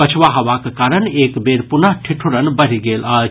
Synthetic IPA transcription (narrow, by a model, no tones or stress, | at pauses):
ət͡ʃʰʋaɦəʋakekaɾənekbeɾpunaʈʰiʈʰuɾənbəɾ̤iɡela